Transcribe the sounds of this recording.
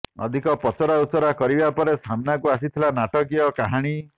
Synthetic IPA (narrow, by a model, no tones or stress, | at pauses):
ɔ̰d̪ʱikɔpɔt͡ʃɔɾausɔɾakɔɾibapɔɾesamnakuas̬it̪ʰilanaʈɔk̬iɔkaɦaɽ̃i